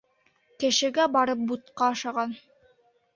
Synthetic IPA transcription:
kɘ̆ʃɘ̆ɡæbɑɾɤp̚but̪qɑːʃɑʁɑn

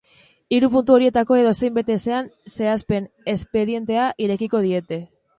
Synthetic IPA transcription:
iɾupunt̪uo̞ɾie̞t̪ako̞e̞ðo̞se̞jmbe̞t̪e̞se̞anse̞aspe̞n | e̞spe̞ðje̞nt̪e̞aʔiɾe̞kiko̞ðie̞t̪e̞

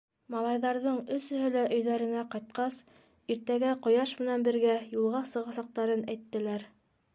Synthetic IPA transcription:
mɑlˠɑjðɑɾðɤɴɵsɵ̆hɵlæʔɵ̆jðæɾɘ̆næqɑjt̪̚qɑs | iɾt̪æɡæqŏjɑʃmɘ̆nænbɘ̆ɾɡæjulˠʁɑsɤ̆ʁɑsɑq̚t̪ɑɾɤnæjt̪ːɘ̆læɾ

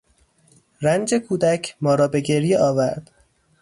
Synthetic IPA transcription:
ɾænd͡ʒe̞kʰuːd̪æcʰmɒːɾɒːbe̞ɟe̞ɾjeʔɒːvæɾd̪̥

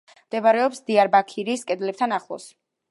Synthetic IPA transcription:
md̪̥ɛbaɾɛɔpsd̪̥iaɾbakʰiɾiskʼɛd̪lɛp̚t̪ʰanaχlˠɔ̰s

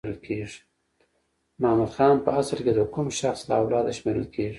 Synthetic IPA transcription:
ɾəlkʰeʐi̥ | mahmud̪xɑnpəasalked̪əkumʃaxslaawlɑd̪aʃmeɾəlkʰeʐi̥

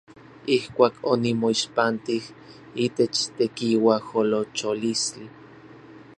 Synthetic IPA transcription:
ihkʷaːkonimoiʃpant̪ih | it̪et͡ʃt̪ekiwaholot͡ʃolist͡ɬi

